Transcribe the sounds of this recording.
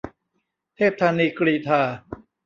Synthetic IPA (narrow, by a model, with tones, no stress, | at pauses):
t̪ʰeː˥˩p̚t̪ʰaː˧niː˧kɾiː˧t̪ʰaː˧